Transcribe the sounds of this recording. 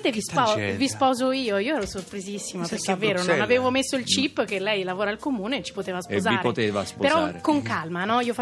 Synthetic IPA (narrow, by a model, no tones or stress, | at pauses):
nt̪evispɔvispɔːzoiːoiːoɛːɾosorpɾizisːimapeɾkːevːeːɾononaveːvomesːoilt͡ʃipːkelɛjlavoːɾalkomuːneːt͡ʃi̥pot̪eːvaspozaːɾet̪eːvaspopeɾɔɾkoŋkalmanɔiːofa